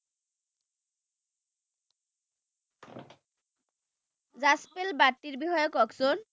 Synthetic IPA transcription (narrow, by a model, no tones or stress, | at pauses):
zaspelbaɾʈ̪ːiɾbihɔjokɔkson